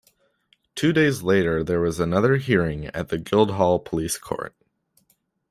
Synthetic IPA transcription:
tʰʉdeɪzleɪɾə˞ðə˞wʌzənʌðə˞ɦiɹɪ̃ŋɨ̰t̪̚ðɨɡɪlˠd̚ɦɔlˠpʰəliskʰɔ̰ɹt̚

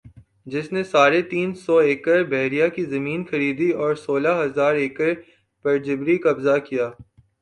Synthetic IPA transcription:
d͡ʒɪsnesaːɾet̪iːnsɔeːkəɾbɛɦɾijakizɐmiːnxɐɾiːd̪iɔːɾsoːlaɦɐzaːɾeːkəɾ | pɐɾd͡ʒɪbɾikɐbzakijaː

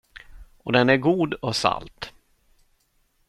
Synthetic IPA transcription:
ɔd̪ɛnæɾɡuːd̪ɔsa̰lt̪

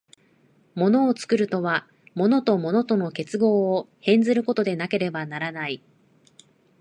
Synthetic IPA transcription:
mo̞no̞ːt͡sɨ̥kɯ̟ɾɯ̟t̪o̞βa | mo̞no̞t̪o̞mo̞no̞t̪o̞no̞ke̞t͡sɨɡo̞ːhẽ̞nzɨɾɯ̟ko̞t̪o̞d̪e̞nake̞ɾe̞banaɾanai

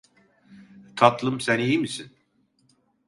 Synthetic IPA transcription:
t̪ʰat̪ʰlˠɯmsænijimisin

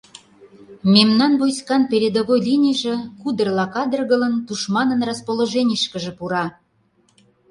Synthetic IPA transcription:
memnɑnβojskɑnpeɾʲed̪oβojlʲinʲiʒĕkud̪ərlɑkɑd̪ərɣə̆lə̆nt̪uʃmɑnɤ̆nrɑspoloʒenʲiʃkə̆ʒĕpuɾɑ

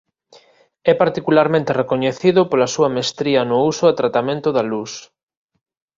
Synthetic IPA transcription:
ɛpaɾt̪ikulaɾmẽnt̪erekoɲeθiðʊpolɐsuɐmest̪ɾiɐnʊusʊat̪ɾat̪amẽnt̪ʊðalus

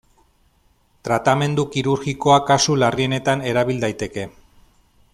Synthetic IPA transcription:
t̪ɾat̪ame̞nd̪ukiɾuɾɣiko̞akasularie̞ne̞t̪ane̞ɾaβild̪ajt̪e̞ke̞

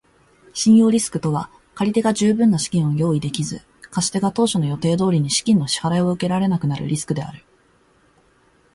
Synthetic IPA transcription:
ɕĩɰ̃jo̞ːɾʲisɨ̥kɯ̟̥t̪o̞βa | kaɾʲit̪e̞ɡaʑɨːbɯ̟̃nːaɕi̥kʲĩɰ̃ojo̞ːid̪e̞kʲizɨ | kaɕi̥t̪e̞ɡat̪o̞ːɕono̞jo̞t̪e̞ːd̪o̞ːɾʲiɲ̟iɕi̥kʲĩnːo̞ɕi̥haɾaioɯ̟ke̞ɾaɾe̞nakɯ̟naɾɯ̟̰ɾʲʔisɨ̥kɯ̟d̪e̞a̰ɾɯ̟

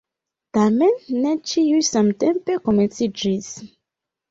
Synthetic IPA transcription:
tamenːet͡ʃiujsamtẽmpekomẽnsid͡ʒis

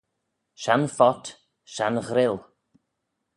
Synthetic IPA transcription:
ʃanfɔt | ʃanɣɾɪl

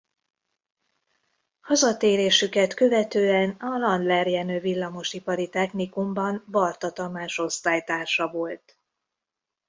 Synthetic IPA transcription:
hɒzɒt̪eːɾeːʃykɛt̪kø̞vɛt̪øːɛnɒlɒnd̪lɛrjɛnøːvilːɒmo̞ʃipɒɾit̪ɛxnikumbɒnbɒrt̪ɒt̪ɒmaːʃo̞st̪aːjt̪aːrʃɒvo̞lt̪

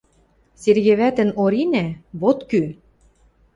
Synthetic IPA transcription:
serɣeβæt̪ə̆noɾinæβot̪ky

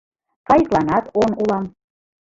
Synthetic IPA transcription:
fɑjklˠɑnɑt̪onulˠɑm

